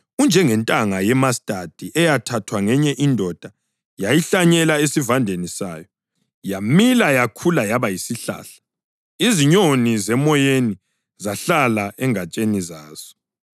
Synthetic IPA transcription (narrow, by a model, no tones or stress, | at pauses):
und͡ʒʱɛŋɛntʼaŋajɛmastʼad̥ʱiʔɛjatʰatʰwaŋɛɲɛʔindʱɔd̥ʱa | jajiɬaɲɛlaesivandʱenisa̰ːjɔ | jamilajakʰulajaβajisiɬa̰ːɬḁ | iziɲonizɛmɔjeni | zaɬalaʔɛŋat͡ʃʼenizaːz̥ɔ̥